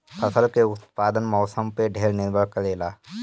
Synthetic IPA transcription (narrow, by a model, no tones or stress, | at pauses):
pʰɐsəlkeʊt̪̚paːd̪ənmɔːsəmpeɖʱeːɾnɪɾbʱəɽkəleːlaː